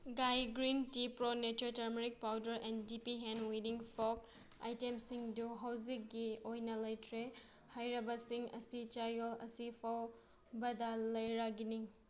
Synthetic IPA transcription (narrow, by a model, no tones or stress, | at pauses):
ɡajɡɾintipɾonetotɐɾmeɾik̚pawdɐɾɛndipiɦenwidiŋpʰɔk̚ | a̰jtemsiŋduɦawzik̚ɡiojnɐlɐjtʰɾe | hajɾɐbɐsiŋɐ̰sit͡ʃajɔlɐ̰sipʰaw | bɐdɐlɐjɾaɡiniŋ